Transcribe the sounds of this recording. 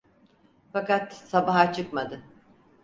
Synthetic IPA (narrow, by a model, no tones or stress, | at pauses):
fakat̪sabaɦat͡ʃʰɯkmad̪ɯ